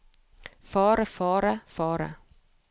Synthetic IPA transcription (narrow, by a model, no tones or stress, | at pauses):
fɑːɾəfɑːɾafɑːɾa̰